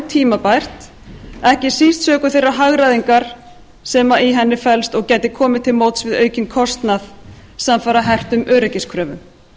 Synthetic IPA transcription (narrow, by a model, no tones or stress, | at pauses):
t̪ʰiːmapajr̥t̪ | ɛhcɪsist̪sœːkʏθejrːaɦaɣɾaðiŋkaɾ̥ | sɛːmaiɦɛnːɪfɛlst̪ɔɣcɛt̪ɪkʰɔːmɪt̪ʰːɪlmowt̪svɪðœːɥcɪnkʰɔst̪nað | samfaɾaɦɛr̥t̪ʏmœːɾɛcɪskʰɾœːvʏm